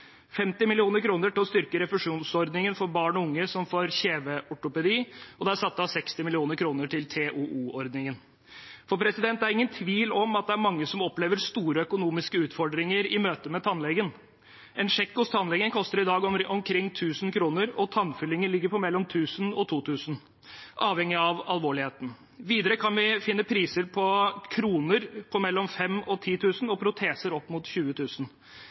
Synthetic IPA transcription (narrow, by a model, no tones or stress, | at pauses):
fɛmt̪ɪmɪlɪuːnəɾkʰɾuːnəʈɪlɔst̪ʏɾkəɾɛfəʂuːnsɔɾd̪nɪŋənfɔɾbɑːɳɔʊŋːəsɔmfoːɾçeːʋəʔɔʈʊpɛd̪iːɔd̪ɛæɾsɑt̪ːɑsɛkst̪ɪmɪlɪuːnəɾkʰɾuːnəʈɪlt̪ʰeːʔuʔuːɔɾd̪nɪŋən | fɔɾpʰɾɛsɪd̪ɛnt̪æɾɪŋːənt̪ʰʋiːlɔmɑt̪̚d̪ɛæɾmɑŋːəsɔmɔpleːʋəɾst̪uːɾəœkʊnuːmɪskəʉːt̪fɔɖɾɪŋəɾɪmøːt̪əmɛt̪ʰɑnlɛɡən | ɛnʂɛkːʊst̪ʰɑnlɛɡənkʰɔst̪əɾɪd̪ɑːɡɔmkʰɾɪŋːt̪ʰʉːsənkʰɾuːnəɾɔt̪ʰɑnfʏlːɪŋəlɪɡːəɾpʰɔmɛlːɔmt̪ʰʉːsənɔt̪ʰuːt̪ʰʉːsn̩ | ʔɑːʋɛŋːɪɑʋɑlʋoːɭɪheːt̪n̩ | ʋiːd̪əɾəkʰɑnʋɪfɪnːəpʰɾiːsəɾpʰɔkʰɾuːnəɾpʰɔmɛlːɔmfɛmɔt̪ʰiːt̪ʰʉːsnɔpʰɾʊt̪ʰeːsəɾɔpːmʊt̪çʉːət̪ʰʉːsən